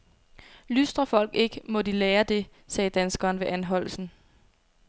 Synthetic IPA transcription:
lysd̥ʁɐfɒ̽l̰ɡ̥e̝ɡ̥əmɔ̽d̥ileːɐd̥e̝ | sɛːd̥ænsɡ̥ɐːnʋe̝ʔænɦɒ̽l̰sn̩

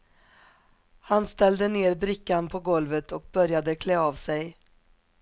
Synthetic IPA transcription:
hanst̪ɛld̪əneːɾbɾɪkːanpʰɔɡɔlvət̪ʰɔk̚bœɾjad̪əkʰlɛːaːvsɛj

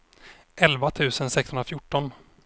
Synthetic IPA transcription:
ʔɛlvat̪ʰʉ̟ːsənsɛkshɵnɾafjʊʈːɔn

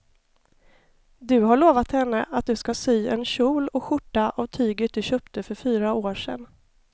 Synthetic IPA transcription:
d̪ɵɦaɭoːvat̪hɛnːəʔat̪̚d̪ɵskasyːɛnɕuːlɔɧʊʈːaʔavt̪ʰyːɡət̪̚d̪ɵɕœːpt̪əfœɾfyːɾaoːʂɛ̰n

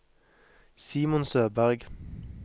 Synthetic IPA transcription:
siːmʊnsøːbæʁɡ

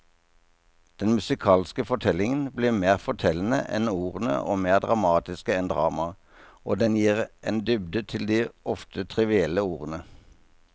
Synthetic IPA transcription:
d̪̥ɛnmʉsɪkʰɑːlskəfɔʈʰɛlɪŋənbliːmeːʁfɔʈʰɛln̩ə̰ʔɛ̰nuːʁənə̰ʔo̰ːmeːʁd̪ʁɑmɑːt̪ɪskəɛnd̪ʁɑ̰ːmɑ | ʔoːd̪ɛnjiːʁʔeːnd̪ʏbd̪ət̪ʰɪld̪iːɔft̪ʰət̪ʰʁɪʋɪɛlːəuːʁənə

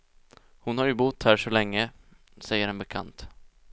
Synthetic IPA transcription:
hʊnhaɾjɵbʊt̪ːhæːʂɔlɛŋːə | sɛjːəɾɛnbɛkʰa̰nt̪

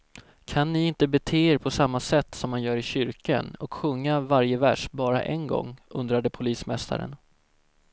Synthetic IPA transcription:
kʰanːɪɪnt̪əbɛt̪ʰeːeːɾpʰɔsamːasɛt̪ːsɔmhanjœːɾɪɕʏɾkanɔkɧɵŋːavaɾjəvæʂbɑːɾa̰ʔɛnɡɔ̰ŋːɵnd̪ɾad̪əpʰʊliːsmɛst̪ʰa̰ɾə̰n

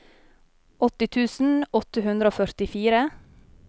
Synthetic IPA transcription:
ʔɔt̪ɪt̪ʰʉːsn̩ɔt̪əhʉnd̪ɾəoːfœɾt̪ɪfiːɾə

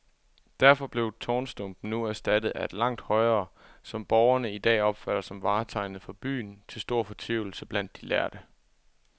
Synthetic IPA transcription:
d̥æɐfɒ̽b̥le̝ʊt͡sʰɒːnsd̥ɔmb̥n̩nuæɐsd̥æd̥ð̩ˠæe̝d̥lɑ̈ŋ̰d̥hɒ̽ɪʁɐːsɒ̽mb̥ɒʊɐnəid̥ɛ̰ːɒ̽b̥fæɾ̥ɐsɒ̽mʋɑ̈ːt͡sʰɑ̈ɪnð̩ˠfɒ̽b̥y̰ːnt͡sʰe̝lsd̥o̝ɐ̰fɒ̽t͡sʰʋiʊl̩səb̥læn̰d̥ːilæɐd̥ə

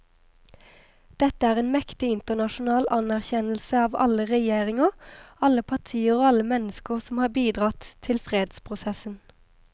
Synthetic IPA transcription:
d̪̥ɛt̪əæːʁeːnmɛkt̪ɪɪnt̪ənɑʃʊnɑːlʔɑnæʁçɛnəlsəɑːʋɑ̰ləʁɛjeːʁɪŋəʁɑləpʰɑʁt̪ʰiːəʁoːɑləmɛnəskəʁsɔmhɑːbiːd̪ʁɑt̪ʰːɪlfʁeːd̪spʰʁʊsɛsən

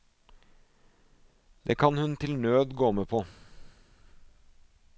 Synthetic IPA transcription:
d̪ḛːkʰɑnhʉnt̪ʰɪlnøːd̪ɡoːmeːpʰoː

